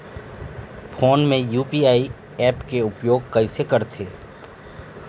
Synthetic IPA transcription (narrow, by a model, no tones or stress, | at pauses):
fʰoːnmẽjuːpiaːi | ɛːpkeʊpjoːɡ̚kɐisekɐɾt̪ʰeː